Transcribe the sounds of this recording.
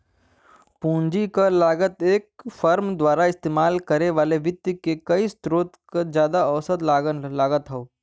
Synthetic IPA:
pũːɲd͡ʒikalaːɡət̪eːkfɐɾmd̪waːɾaɪst̪eːmaːlkɐɾeʋaːleʋɪt̪ːjəkekɐist̪ɾoːt̪kad͡ʒjaːd̪aɐʋsəd̪laːɡənlaːɡət̪ɦɛoː

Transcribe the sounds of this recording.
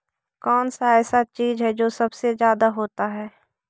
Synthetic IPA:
kɔːnsaɛːsat͡ʃiːzɦɛd͡ʒoːsɐbsezjaːd̪aɦoːt̪aɦɛː

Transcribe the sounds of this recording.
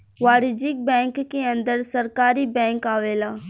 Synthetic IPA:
ʋaːɾɪd͡ʒɪk̚bɛ̃ːŋkːeɐ̃nd̪əɾsɐɾkaːɾibɛ̃ːŋkaːʋeːlaː

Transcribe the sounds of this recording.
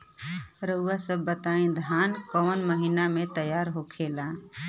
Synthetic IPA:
ɾəuasəbːət̪aĩd̪ʱankəənməɦinamet̪əjaɾɦokʰela

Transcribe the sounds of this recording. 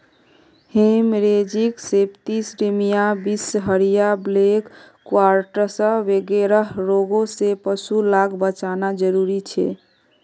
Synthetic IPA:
hemɾed͡ʒiksept̪isɖimijabisɦəɾijablekː | waɾʈəɾsə̃ʋeɡeɾəɦɾoɡosepəsulaɡbət͡ʃanad͡ʒəɾuɾit͡ʃʰɛ̰

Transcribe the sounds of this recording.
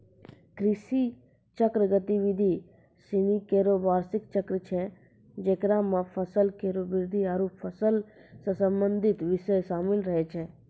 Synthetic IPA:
kɾɪʃi | t͡ʃəkɾəɡət̪iʋɪd̪ʱi | sɪnikeːɾobaːɾsɪkt͡ʃəkɾət͡ʃʰɛ | d͡ʒeːkɾamãpʰəsəlkeːɾoːbɪɾd̪ʱiaːɾoːpfʰəsəlsə̃sə̃mbə̃nd̪ʱɪt̪ʋɪʃəjsaːmɪlɾəɦɛt͡ʃʰɛ

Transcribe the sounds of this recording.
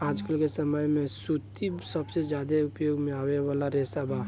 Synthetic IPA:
aːd͡ʒkəlkesəməjmẽsut̪isəbsed͡ʒjaːd̪eʊpjoːɡmẽaːweʋaːlaɾesabʱa

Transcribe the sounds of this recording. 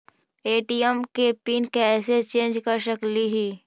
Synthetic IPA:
eːʈiəmkepiːnkeɛːset͡ʃẽːnd͡ʒkəɾʃəkliɦiː

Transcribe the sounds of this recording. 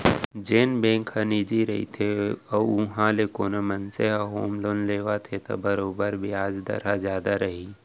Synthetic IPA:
d͡ʒeːnbẽːŋkhəniːd͡ʒiɾɐɦḭt̪ʰeɔʊɦãlekoːnomənseɦaɦoːmloːnleːʋat̪ʰet̪o̰bəɾoːbəɾbʱiaːd͡ʒd̪ɐ̰ɾazjaːd̪aɾɐɦi

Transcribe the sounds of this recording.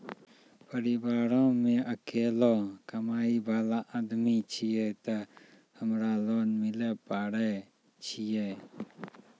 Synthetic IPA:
pəɾibaːɾɔ̃ːmẽʔəkeːlɔːkəmaːiːbʱaːlãʔad̪mit͡ʃʰijɛt̪a | həmɾaːlɔːnmɪlɛpaːɽɛ | t͡ʃʰijɛ

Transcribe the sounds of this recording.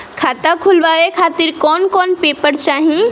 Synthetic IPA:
kʰaːt̪akʰʊlʋaːʋekʰaːt̪ɪɾkɔːnkɔːnpeːpəɾt͡ʃaːɦĩ

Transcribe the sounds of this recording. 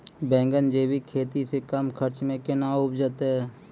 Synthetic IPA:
bɛ̃ːŋɡənd͡ʒeːwikʰeːt̪isekəmkʰəɾt͡ʃmẽkɪnaʊpd͡ʒət̪ɦɛː

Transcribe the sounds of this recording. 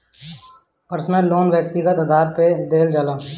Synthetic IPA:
pəɾsnəlːoːnʋjək̚t̪iɡət̪əd̪ʱaːɾped̪eːld͡ʒalaː

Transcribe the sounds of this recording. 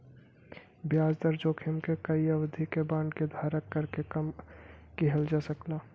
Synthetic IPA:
bjaːzd̪əɾd͡ʒoːkʰemkekəiəwəd̪ʱikebãːɳɖked̪ʱaːɾəkːəɾkekɐmkiɦəld͡ʒaːsəklaː

